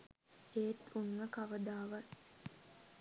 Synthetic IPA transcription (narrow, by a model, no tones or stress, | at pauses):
eːt̪uŋːəkaʋəd̪aːʋa